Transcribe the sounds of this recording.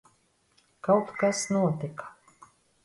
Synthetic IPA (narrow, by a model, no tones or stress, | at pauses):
kawt̪kasnuɔt̪ikḁ